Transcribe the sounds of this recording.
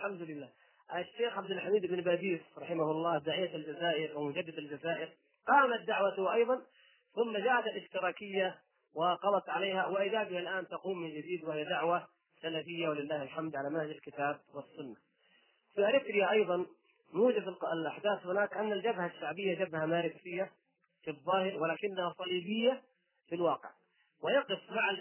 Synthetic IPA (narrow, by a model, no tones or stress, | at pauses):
alħamd̪ʊlɪlːaː | ʔaʃːeːxʕab̚d̪ɪlħamiːd̪ɪbnbaːd̪iːsɾˤɑħɪmahʊlˤːɑːd̪aʕɪjːat̪ald͡ʒazaːʔɪɾwɪmʊd͡ʒad̪ːɪd̪ald͡ʒazaːʔɪɾ | qɑːmat̪̚d̪aʕwat̪ʊʔɑjðˤɑn | θʊmːad͡ʒaːʔat̪alʔɪʃt̪ɪɾɑːkɪjːa | wɪqɑlˤɑt̪ʕaleːhawɪʔɪðaːɡɪhalʔaːnt̪ɑquːmːɪnd͡ʒad̪iːd̪wɪhɪjad̪aʕwa | salafɪjːawalɪlːaːhɪlħamd̪ʕalamanhad͡ʒalkɪt̪aːb̚wɪsːʊnːa | fiʔaɾɪt̪ɾɪjaʔɑjðˤɑn | juːd͡ʒad̪ɪlʔaħd̪aːθhʊnaːkʔanːald͡ʒabhaʃːaʕbɪjːad͡ʒabhamaːɾɪt̪ɾɪjːa | fiðˤːɑːhɪɾwɪlaːkɪnːahasˤɑliːbɪjːa | filwɑːqɪ̰ʕ | wɪjɑqɪfmaʕa